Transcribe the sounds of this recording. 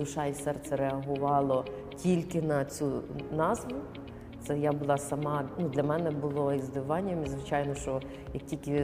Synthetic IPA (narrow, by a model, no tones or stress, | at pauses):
d̪ʊʃɑisɛrt̪sɛɾeɐɦʊʋɑlˠɔ | tʲilʲkɪnɐt͡sʲunɑzʋʊ | t̪sɛjabʊlˠɑsɐmɑnud̪lʲɐmɛnɛbʊlˠɔizd̪ɪʋɑnʲːɐmizʋɪt͡ʃɑjnɔʃt͡ʃɔ | jɐk̚tʲilʲkɪ